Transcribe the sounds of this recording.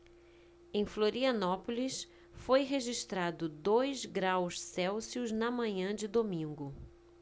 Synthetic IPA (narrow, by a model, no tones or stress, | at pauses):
ẽj̃floɾiɐnɔpolis | fojɦeʒiʃt̪ɾad̪ʊd̪ojzɡɾawssɛwsiʊznɐmɐ̃ɲɐ̃d͡ʒɪd̪omĩŋɡʊ